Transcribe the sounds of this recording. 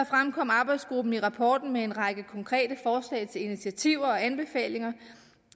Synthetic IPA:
fʁamkʰɒ̽m̰ɑ̈ːb̥ɑ̈ɪd̥sɡ̥ʁub̥n̩iʁɑ̈pʰɒːd̥n̩mee̝nʁɑ̈ɡ̥əkʰɒ̽ŋkʰʁɛ̰ːd̥əfɒːslɛ̰ɪt͡sʰe̝linit͡sʰiæt͡sʰiʊ̰ɐɒ̽ænb̥e̝fɛ̰ːle̝ŋɐ

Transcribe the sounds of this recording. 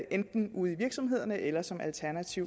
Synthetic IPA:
ʔend̥n̩uð̰ˠiʋiɐɡ̥sɒ̽mɦe̝ð̞̰ˠɐnəʔelɐsɒ̽mælt͡sʰæɐnæt͡sʰiʊ

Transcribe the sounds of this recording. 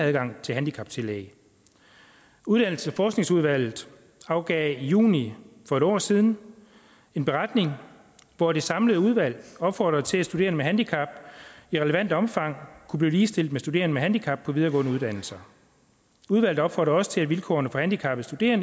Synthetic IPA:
æðˠɡ̥ɑ̈ŋ̰t͡sʰe̝lɦænd̥ikʰɑ̈b̥̚t͡sʰe̝lɛ̰ɪ | uðˠd̥ænl̩səfɒːsɡ̥ne̝ŋsuð̞ˠʋæl̰ð̩ˠ | ɑ̈ʊɡ̥ɛːijṵːnifɒe̝ɾ̥ɒ̰ːsiːð̞ˠn̩ | e̝nb̥e̝ʁɑd̥ne̝ŋ | ʋɒd̥e̝sɑ̈mləð̩ˠuð̞ˠʋæl̰ɒ̽b̥fɒ̰ːd̥ʁɐðˠt͡sʰe̝læsd̥ud̥e̝ːɐnəmeɦænd̥ikʰɑ̈b̥iʁɛləʋæn̰d̥əɒ̽mfɑ̈ŋ̰kʰub̥liːliːsd̥e̝l̰d̥mesd̥ud̥e̝ːɐnəmeɦænd̥ikʰɑ̈b̥̚pʰɒ̽ʋið̞ˠɐɡɔ̰̽ːnəuðˠd̥æn̰l̩sɐ | uðˠʋæl̰ð̩ˠɒ̽b̥fɒːd̥ʁɐɒ̽sə̥t͡sʰe̝æ̥ʋilkʰɒ̰ːɐnəfɒ̽hænd̥ikʰɑ̈b̥ð̩sd̥ud̥e̝̰ːɐn

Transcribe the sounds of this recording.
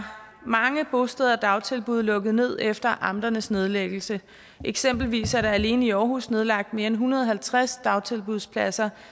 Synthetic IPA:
mɑ̈ŋəb̥o̝sd̥əðˠɐd̥ɑ̈ʊt͡sʰe̝lb̥uð̞ˠlɔ̽ɡ̥əð̩ˠne̝ð̞̰ˠefd̥ɐʔɑ̈md̥ɐnəsne̝ð̞ˠleɡ̥l̩sə | ʔeɡ̥sem̰b̥l̩ʋḭːsæɐɾ̥ɑ̈æle̝ːnəiɒːɦṵsne̝ð̞ˠlɑ̈ɡ̥̚d̥me̝ːɐenɦunɐð̞ˠɒɦælt͡sʰʁasd̥ɑ̈ʊt͡sʰe̝lb̥uðˠspʰlæsɐ

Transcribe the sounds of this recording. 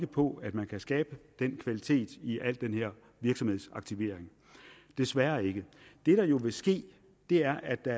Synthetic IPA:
ɡ̥əpʰɒ̽æd̥mænkʰæsɡ̥ɛːb̥əd̥enkʰʋælit͡sʰe̝̰ːd̥iʔæl̰d̥enheɐ̰ | ʋiɐɡ̥sɒ̽mhe̝̰sɑ̈ɡ̥̚t͡sʰiʋe̝̰ɐ̰eŋ | d̥e̝sʋæːɐe̝ɡ̥əd̥e̝ɾ̥ɑ̈jo̝ʋe̝sɡ̥e̝̰ː | d̥e̝æɐʔæd̥ɑ

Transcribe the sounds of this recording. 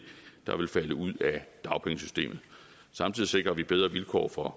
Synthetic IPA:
d̥ɑ̈ʋe̝lfæləuð̞̰ˠæd̥ɑ̈ʊpʰeŋəsy̥sd̥e̝̰ːmð̩ˠ | sɑ̈mt͡sʰið̰ˠise̝ɡ̥ʁɐʋib̥eð̞ˠʁɐʋilkʰɒ̰ːfɒ̽

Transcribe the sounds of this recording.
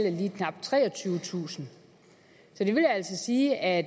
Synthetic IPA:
l̰əliːkʰnɑ̈b̥̚t͡sʰʁɛ̰ːɒ̽t͡sʰyːʊət͡sʰṵːsn̩ | sɒ̽d̥e̝ʋe̝ljæl̰sɒ̽siːʔæ̥

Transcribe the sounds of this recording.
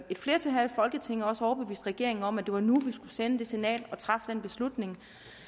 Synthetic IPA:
e̝d̥fle̝ːɐt͡sʰe̝ɦæðfɒ̽lɡ̥ət͡sʰe̝ŋ̰ɒ̽səɒɐb̥e̝ʋḭːsd̥ʁaɡ̥e̝ɐe̝ŋn̩ɒ̽mæd̥e̝ʋɑ̈nuʋisɡ̥usenəd̥e̝senɛ̰ːlɒ̽t͡sʰʁɑ̈fd̥enb̥e̝slud̥ne̝ŋ

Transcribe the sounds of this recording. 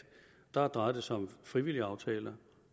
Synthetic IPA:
d̥ɑ̈æɐd̥ʁɑ̈ɪdəsɒ̽mfʁiʋil̰iɑ̈ʊt͡sʰɛ̰ːlɐ

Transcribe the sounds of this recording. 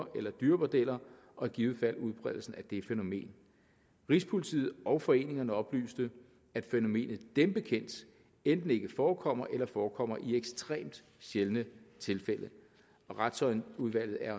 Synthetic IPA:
ɐʔelɐd̥yːɐmod̥el̰ɐ | ʔɒ̽ɡ̥iːʊð̩ˠfæl̰uð̞ˠb̥ʰʁɛð̰ˠl̩sn̩æd̥e̝feno̝me̝̰ːn | ʁispʰo̝lit͡sʰḭːð̩ˠɒ̽ʊfɒ̽e̝ːne̝ŋɐnəɒ̽b̥ly̰ːsd̥ə | æd̥feno̝me̝̰ːnð̞̩ˠd̥emb̥e̝kʰen̰d̥ | end̥n̩e̝ɡ̥əfɒːkʰɒ̽m̰ɐʔelɐfɒːkʰɒ̽m̰ɐʔieɡ̥sd̥ʁɛ̰ːmd̥ | ɕelnət͡sʰe̝lfelə | ɒ̽ʁad̥sɒ̽ɪnuðˠʋæl̰ð̩ˠæɐ

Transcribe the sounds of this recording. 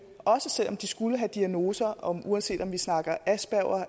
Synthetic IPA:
ʔɒ̽səsel̰ɒ̽md̥isɡ̥uləɦæd̥iæno̝ːsɐɒmuænse̝̰ːd̥ɒ̽mʋisnɑ̈ɡ̥ɐæsb̥æʊ̰ɐ

